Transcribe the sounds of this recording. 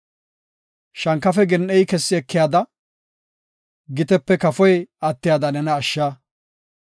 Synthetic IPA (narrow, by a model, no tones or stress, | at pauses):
ʃɐŋkːɐfɛɡɛnʔɛjkɛsːɪɛkːɪjaːd̪ɐ | ɡɪt̪ɛpːɛkɐfɔjɐt̪ːɪjaːd̪ɐnɛnɐːʃːaː